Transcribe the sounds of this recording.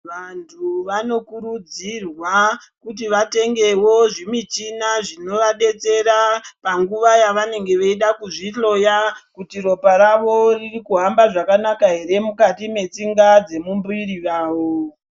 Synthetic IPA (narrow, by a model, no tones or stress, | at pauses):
ʋantʰuʋano̞kuɾud͡zirwa | kutiʋate̞ŋɡe̞wo̞ʐimit͡ʃinaʐino̞ʋaɗe̞t͡se̞ɾapaŋɡuʋajaʋane̞ŋɡe̞ʋeiɗakuʐiɬo̞jakutiro̞paɾaʋo̞ririkuɦambaʐakanakaɦe̞ɾemukatime̞t͡siŋɡad͡ze̞mumbuiɾiʋaːʋo